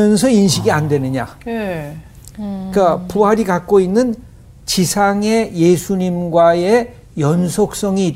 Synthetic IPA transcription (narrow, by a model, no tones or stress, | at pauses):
ʌns̬ʰʌinɕʰiɡiandwe̞nɯɲa | kapuɦaɾiɡak̚k͈oinːɯn | t͡ɕisʰaŋe̞je̞sʰuɲimɡwae̞ | jʌnsʰok̚s͈ʌŋi